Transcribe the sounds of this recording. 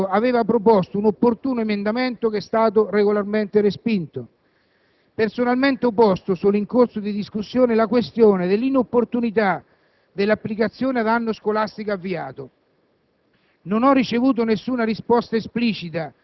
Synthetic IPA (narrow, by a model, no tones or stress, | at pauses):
aveːvapɾop̬ɔst̪ounopːort̪uːnoemend̪ament̪ʊk̟ɛst̪aːt̪̬ʊreɡolarment̪ɪɾespint̪o | personalment̪eopːɔst̪osulːiŋkorsod̪id̪iskusːjoːnelakwest̪joːned̪elːinopːort̪unit̪̬a | d̪elːapːlikat̪sːjoːnead̪anːʊskolast̪ikoavːiaːt̪o | nonɔrːit͡ʃevuːt̪̬onesːuːnaɾispɔst̪aespliːt͡ʃit̪a